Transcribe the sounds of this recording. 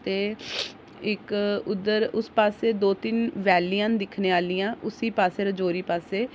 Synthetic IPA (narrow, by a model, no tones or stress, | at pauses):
t̪eː | ɪkʊd̪əɾʊspaːseːd̪oːt̪ɪnʋɛːliːãːnd̪ɪkʰneːaːliːãːʔʊsiːpaːseːɾəd͡ʒoːɾiːpaːseː